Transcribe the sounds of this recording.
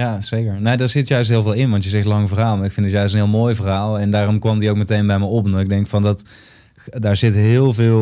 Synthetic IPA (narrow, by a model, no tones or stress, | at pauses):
jaːsejkəɹnojdaːɹz̥ɪtjœɥstɦɪːlˠvɪːlˠɪnʋɑntjəzɛxtlɑŋvərɦaːlˠmaːɹɪkfɪndətjœɥstənɦɪːlˠmoːjvərɦaːlˠɛndaːrɔmkʋɑmdiowkmətejnbɛjməɔpnɔɪɡ̚dɛŋkfɑndɑt | daːɹzɪtɦɪːlˠvɪːlˠ